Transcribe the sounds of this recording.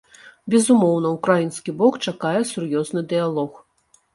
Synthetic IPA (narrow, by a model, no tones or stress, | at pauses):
bʲɛzumɔwn̪ɐukɾajinskʲibɔkt͡ʂakajɛsurjɔznɨd̪ɨjalˠɔx